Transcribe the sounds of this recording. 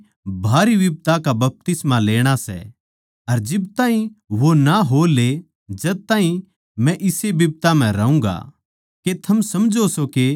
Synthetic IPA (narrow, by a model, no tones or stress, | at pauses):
bʱaːɾibɪb̚t̪akabɐp̚t̪ɪsmaleːɽ̃asɛ̰ | ɐɾd͡ʒɪb̚t̪aːɦĩʋonaɦole | d͡ʒɐd̪̚t̪ãːɦĩ | mɛ̃ʔɪsebɪb̚t̪am̤ɛ̃ɾɐũːɡa̰ | ket̪ʰɐmsɐmd͡ʒosoke